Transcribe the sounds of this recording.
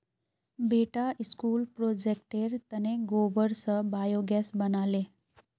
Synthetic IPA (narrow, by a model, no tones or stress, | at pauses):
beʈaiskuːlpɾod͡ʑek̚ʈeɾt̪əneɡobəɾsəbajoɡasbənale